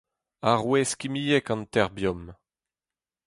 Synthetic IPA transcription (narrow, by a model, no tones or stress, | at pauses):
aʁwɛskimijɛkɑ̃ntɛʁbjɔm